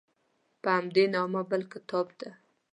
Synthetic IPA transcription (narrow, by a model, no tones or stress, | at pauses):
pəhamd̪enɑmabəlkɪt̪ʰɑbd̪a